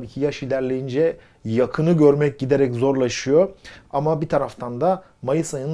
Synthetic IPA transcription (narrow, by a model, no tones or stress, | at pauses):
biːcʰijaʃilʲæɾlʲejind͡ʒɛ | jakʰɯnɯɟøɾmɛc̚ɟid̪e̞ɾɛczo̞ɾlˠaʃɯjoamabit̪ʰaɾaft̪ʰand̪a | majɯsajɯn